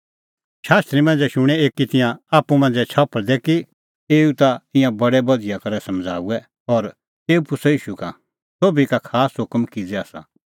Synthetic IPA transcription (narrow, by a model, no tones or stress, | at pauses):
ʃaːst̪ɾimɐ̃n̆d͡zɛʃʊɽ̃ɛeːkit̪ɪjãaːpːumɐ̃nd͡zɛt͡ʃʰapəɭd̪ɛki | eːut̪aɪ̃jãbɐɽɛbɐd̪ijakɐɾɛsɐmd͡zʱa̰ːuɛ | ɔːɾ | eːupʊsɔiːʃuka̰ | soːbikakʰaːsɦʊkmkid͡zɛaːsa̰